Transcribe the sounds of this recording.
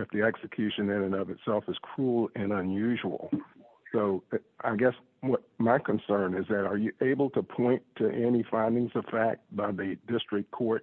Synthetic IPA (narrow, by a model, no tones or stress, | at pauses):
ɨfðiɛksɨkʰj̥ʉʃɨ̃nɨ̃nɨ̃nʌvɨtsɛlˠfɨz̥kʰɹ̥ulˠɨ̃nə̃njʉʒəl̩ˠ | soʊ | ʔa̰ɪɡɛs | wʌt̚maɪkʰə̃nsɜ̃˞nɨzðɨɾə˞jɨʔeɪbl̩ˠtʰəpʰɔ̃ɪ̃ntʰɨʔɛnifãɪ̃ndɪ̃ŋzʌv̥fæk̚t̚b̥aɪðɨdɪstɹ̥ɨk̚kʰɔɹt̚